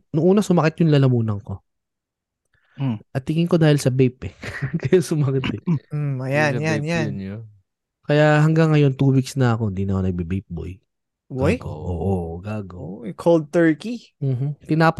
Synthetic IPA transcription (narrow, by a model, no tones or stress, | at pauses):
nʊŋʔuːnɐsʊmɐkɪt̪jʊŋlɐlɐmuːnɐŋko̞ | ʔɐt̪ːɪŋɪŋko̞d̪aːhɪlsɐbɛjpɛkɐjasʊmɐkɪt̪ɛm̩ɐjanjanjan | kɐjahɐŋɡɐŋːɐjo̞nt̪uːwɪɡsnɐɐko̞ɪnd̪inɐkonɐɡ̚bibɛjp̚bo̰j | ʔo̰ːʔoɡaːɡɐkʰold̪̚t̪ɛɹki | m̩ːm̩t̪ɪnaːp